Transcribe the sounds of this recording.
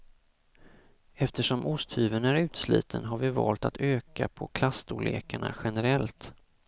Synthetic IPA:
ɛft̪əʂɔmʔʊst̪hʉːvənæɾʉ̟ːt̪slḭːt̪ʰənɦaɾvɪvɑ̰ːlt̪at̪ʰøːkapʰɔkʰlast̪uːlḛːkaɳa̰ɧɛnɛɾɛlt̪

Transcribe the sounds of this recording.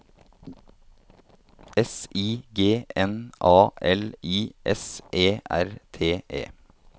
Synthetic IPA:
ɛsiːɡeːʔɛnʔɑːʔɛliːʔɛsʔeːʔæ̰ɾt̪ʰeːʔḛː

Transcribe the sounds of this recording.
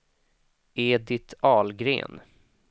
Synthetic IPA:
eːd̪ɪt̪ʰɑːlɡɾḛːn

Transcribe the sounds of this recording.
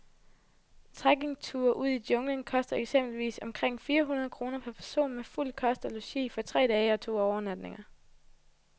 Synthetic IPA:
t͡sʰʁaɡ̥e̝ŋt͡sʰuːɐʔuð̰ˠidjɔ̽ŋlənkʰɒ̽sd̥ɐeɡ̥sem̰b̥l̩ʋḭːsɒ̽mkʰʁeŋ̰fiːɐɦunɐð̞ˠkʰʁo̝ːnɐpʰæɐpʰæɐso̝̰ːnmeful̰kʰɒ̽sd̥æluɕḭːfɒ̽t͡sʰʁɛ̰ːd̥ɛːɪəɒ̽t͡sʰo̝̰ːɒʊɐnæd̥ne̝ŋɐ

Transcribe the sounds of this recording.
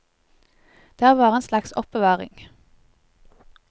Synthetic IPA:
d̪̥æːʁʋɑːʁeːnslɑksɔpəʋɑːʁɪ̰ŋ

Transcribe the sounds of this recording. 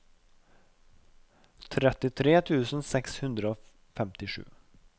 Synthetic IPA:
t̪ʰɾɛt̪ɪt̪ʰɾeːt̪ʰʉːsənsɛkshɵnd̪ɾəoː | fɛmt̪ɪɧʉ̰ː

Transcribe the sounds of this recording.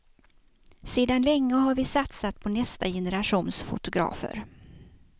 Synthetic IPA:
seːd̪anlɛŋːəɦaɾvɪsat̪sat̪pʰɔnɛst̪ajɛnəɾaɧuːnsfʊ̰t̪ʊɡɾɑ̰ːfə̰ɾ

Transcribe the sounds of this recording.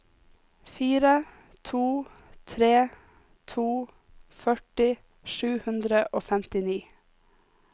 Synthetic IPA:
fiːɾə | t̪ʰuː | t̪ʰɾeː | t̪ʰuː | fœʈɪ | ʃʉːhʉnd̪ɾəʔoːfɛmt̪ɪniː

